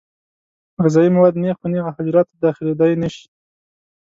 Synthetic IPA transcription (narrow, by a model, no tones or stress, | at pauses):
ɣɪzɑjimawɑd̪nexponeɣahad͡ʒɾɑt̪ːd̪ɑxɪled̪ajnaʃi̥